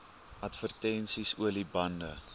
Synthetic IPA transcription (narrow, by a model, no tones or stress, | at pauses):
ɐtfərtɛnsisuəlibɐndə